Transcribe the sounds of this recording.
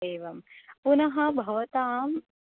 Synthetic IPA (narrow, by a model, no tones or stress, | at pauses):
eːʋɐmpunɐɦɐbʱɐʋɐt̪aːm